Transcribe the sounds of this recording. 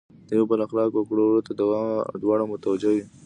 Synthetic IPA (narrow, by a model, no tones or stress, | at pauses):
d̪̥əjawbəlaxlɑkwakɽoɽot̪ad̪awd̪wɑɽamʊt̪awad͡ʒawi